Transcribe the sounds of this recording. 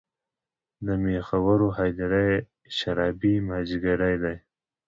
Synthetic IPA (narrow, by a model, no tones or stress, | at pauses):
d̪əmexawaɾoɦɑjd̪aɾaj | ʃaɾɑbimhad͡ʒiɡaɽajd̪aj